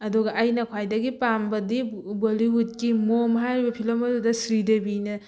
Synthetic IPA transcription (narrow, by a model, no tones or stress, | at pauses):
ɐduɡɐʔːjnɐkʰwajdɐɡipambɐdiboliɦut̚kimomɦajɾibɐpʰilomɐdudɐsɾidebinɐ